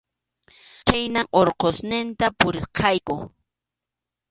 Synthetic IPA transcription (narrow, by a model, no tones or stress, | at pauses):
t͡ʃajnaŋoɾqosnɪnt̪apʊɾɪɾqɑjkʊ